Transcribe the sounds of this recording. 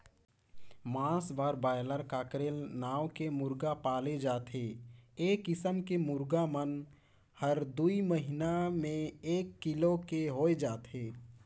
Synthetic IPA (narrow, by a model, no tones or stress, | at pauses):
mãːsbaːɾbaːjləɾkaːkɾeːlnaːwkemʊɾɡapaːled͡ʒaːt̪ɦeeːkɪsəmkemʊɾɡamən | həɾd̪uiməɦinamẽeːkːilokeɦoed͡ʒaːt̪ɦe